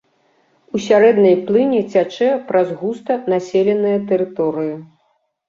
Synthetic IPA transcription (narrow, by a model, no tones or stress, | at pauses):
usʲaɾɛd̪nɐjplˠɨnʲɛt͡sʲat͡ʂɛpɾɐzɣust̪ɐnasʲelʲɛnɨjɐt̪ɛɾɨt̪ɔɾɨji